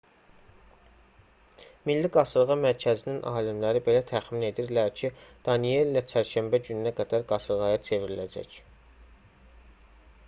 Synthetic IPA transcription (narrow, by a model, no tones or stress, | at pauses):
milːiɡɑsɯɾʁɑmæɾcʰæzininʔɑːlimlæɾibe̞læt̪ʰæχmine̞d̪iɾlæɾcʰid̪̥ɑnije̞lilæt͡ʃʰæɾʃæmbæɟynnæɡæd̪æɾɡɑsɯɾʁɑjɑt͡ʃʰe̞viɾilæd͡ʒæ̰c